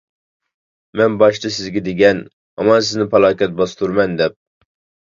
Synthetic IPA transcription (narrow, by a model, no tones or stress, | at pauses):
mɛnbɑʃt͡ʃ̪ʰɨsɪzɡʲɛd̪eɡʲɛn | ɑmɑnsɪznɪpʰɑlˠɑːkʲɛt̪̚bɑst̪uɾmɛnd̪ɛp̚